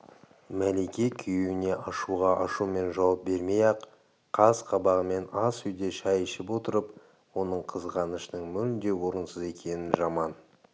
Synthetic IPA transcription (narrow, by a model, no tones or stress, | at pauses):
mælekʲekʲʰʏjewɪne̞ʔɑʃuʁɑʔɑʃume̞nʒɑwɑp̚be̞ɾme̞jɑq | qʰːɑzqʰɑbɑʁəme̞nɑsʏjd̪e̞ʃɑjəʃɪpwo̞t̪əɾəp | wo̞nəɴqʰəzʁɑnəʃənəɴmʏɾɪnd̪e̞wo̞ɾənsəze̞kʲʰe̞nɪʒɑmɑn